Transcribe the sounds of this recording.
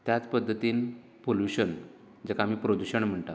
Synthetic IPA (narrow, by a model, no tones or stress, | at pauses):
t̪jat͡spəd̪ʱːət̪iːn | poljuɕən | d͡ʑekʰaːmiːpɾod̪uɕəɳm̤əɳʈa